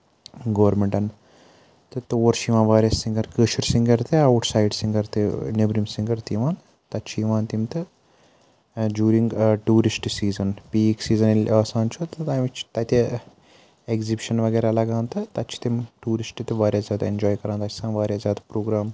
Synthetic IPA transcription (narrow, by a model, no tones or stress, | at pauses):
ɡɐʋɐɾmeɳʈɐn | t̪ɨt̪oːɐɾʃiʋãːnʋaːɾʲjasĩŋɡɐɾkəːʃɐɾsĩŋɡɐɾt̪eawʈsaːjɖsĩŋɡɐɾt̪enebɾimsĩŋɡɐɾt̪iʋaːn | t̪ɐt͡ʃʰiʋaːnt̪imt̪ɨ | d͡ʒuːɾĩŋɡʈuːɾisʈsiːzɐnpiːksiːzɐnilaːsãːnt͡ʃʰut̪t̪ajʋit͡ʃt̪ɐt̪e | eɡzibiʃɐnʋɐɡɐjɾalɐɡãːnt̪ɨt̪ɐt͡ʃʰi̥t̪imʈuːɾisʈt̪ʋaːɾʲjad͡zaːt̪end͡ʒɔːjkɐɾaːnt̪ɐt͡ʃʰi̥sãːnʋaːɾʲjad͡zaːt̪pɾoːɡɾaːm